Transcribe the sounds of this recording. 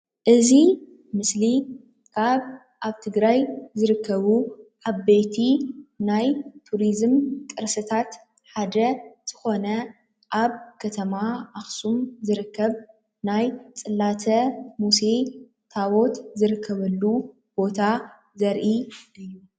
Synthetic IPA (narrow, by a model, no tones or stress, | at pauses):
ʔɨzi | mɨsli | kʰaβ | ʔaβt̪ʰɨɡɾajzɨɾɨkʰːɐβuʕaβbejt̪ʰinajt̪ʰuɾizɨmkʼɨɾsɨt̪ʰat̪ | ħad̪ɐz̥ɨxo̞nɐ | ʔaβkʰɐt̪ʰɐmaʔaxsumzɨɾɨkːɐβ | najt͡sʼɨlːat̪ʰɐmuse̞ | t̪ʰawo̞t̪zɨɾɨkʰːɐβɐlːu | b̥o̞t̪ʰa | zɐɾʔiʔɨjːu